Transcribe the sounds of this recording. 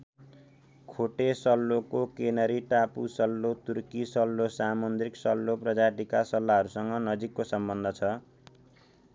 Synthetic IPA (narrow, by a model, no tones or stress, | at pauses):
kʰoʈesʌlːokokenʌɾiʈapusʌlːot̪urkisʌlːosamʌnd̪riksʌlːoprʌd͡zaʈikasʌlːaɦʌɾusʌŋɡʌnʌd͡zikːosʌmbʌnd̪ʱʌt͡sʰʌ